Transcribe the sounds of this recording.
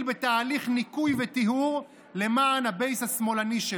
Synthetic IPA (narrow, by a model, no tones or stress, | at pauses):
lbet̪aːliχnikujvet̪iɦuʁ | le̞maːnhabe̞jshasmo̞laniʃe